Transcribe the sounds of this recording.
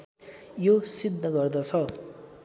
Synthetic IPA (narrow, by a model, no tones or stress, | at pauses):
josid̪ʱːʌɡʌrd̪ʌt͡sʰʌ